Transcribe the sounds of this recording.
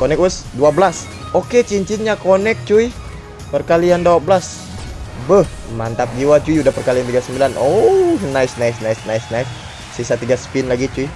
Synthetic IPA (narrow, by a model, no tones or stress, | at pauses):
konɛk̚wəsduablas | oket͡ʃiɲt͡ʃit̪̚ɲakonɛk̚t͡ʃui | pərkaliandawabəlas | bəh | mant̪ap̚d͡ʒiwat͡ʃuiudahpərkalijant̪iɡasəmbilanʔonaɪsnaisnaisnaisnajsː | isat̪iɡasə̥pinlaɡit͡ʃui